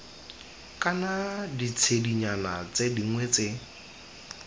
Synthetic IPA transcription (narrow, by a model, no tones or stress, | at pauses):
kʼanadit͡sʰediɲanat͡sediŋ̩wɛt͡se